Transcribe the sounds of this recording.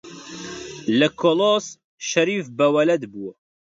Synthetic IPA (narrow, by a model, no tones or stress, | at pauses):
lɐkʰoloːs | ʃɐɾiːfbɐwɐlɐd̪buːɐ